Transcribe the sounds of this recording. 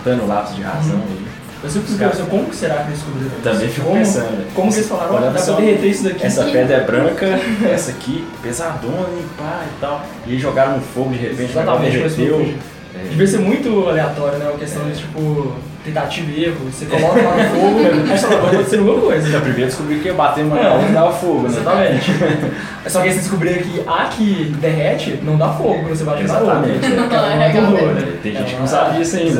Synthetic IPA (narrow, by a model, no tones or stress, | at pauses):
t̪ɐ̃nʊ̃lapɪsʊd͡ʒɪhã̰zɐ̃w̃ɐi | esẽpɾkiskkeẽs̬ekõmʊkɪ̥seɾakfed͡ʒɪskubɾit̪ɐ̃bẽj̃fikõmeʊ̃sɐ̃d̪ɛkõmʊkelɪsfalaɾ̃ãd̪appoeɦet̪eisʊd̪ɐkiɛsɐpɛd̪ɐɛbɾɐ̃kɐɛsɐkipezad̪õnĩpait̪aw | ɪɐiʒoɡaɾɐ̃ʊfoɡʊd͡ʒɪhevẽt͡ʃzat̪aaẽt͡ʃekesewd͡ʒ | ɛd͡ʒɪviɐseɾmũj̃t̪ʊaleat̪ɔɾjʊnɛɛɐkest̪ɐ̃w̃d͡ʒɪt͡ʃipʊ | t̪ẽt̪at͡ʃivʊeɦʊsekolɔkɐɐafoɡʊmẽzmɛsɔkkõseɾ̃ɡẽmɐkojzɐɛpɾimeɾɐd͡ʒɪskubɾikɪbat̪ẽɐ̃ãd̪afoɡʊnɛzat̪amẽt͡ʃɪ | sɔkɪesed͡ʒɪskubɾiɾɐkɪakʰɪd̪eɦɛt͡ʃɪnɐ̃w̃d̪afoɡʊkw̃nw̃sevajɐʒuzaɾoamẽt͡ʃnɐ̃w̃d̪ããt̪ẽd̪oɾɛt̪ẽj̃ʒẽt͡ʃɪkɪnɐ̃sabɪid͡ʒisɐ̃ĩd̪ɐ